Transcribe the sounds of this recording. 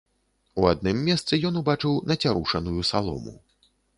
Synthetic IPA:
uad̪̚nɨmːʲɛst̪sɨjɔnubat͡ʂɨwnɐt͡sʲaɾuʂɐnujusalˠɔ̰mṵ

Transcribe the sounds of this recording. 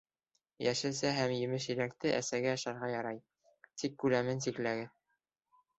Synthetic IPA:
jæʃɘ̆sæɦæmjɘ̆mɘʃjɘ̆ɾækt̪ɘʔæsæɡæɑʃɑɾʁɑjɑɾɑj | t̪ikːʉlæmɘns̬iklæɡɘð

